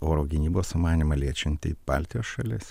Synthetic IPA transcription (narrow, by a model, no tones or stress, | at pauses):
oːɾoːɡʲɪnʲiːboːsʊmɑːnʲimɐlʲiɛt͡ʃʲɪnʲt̪ʲɪ̰ɪb̥ɑ̰ːlʲt̪ʲɪjoːsʃɐlʲɪs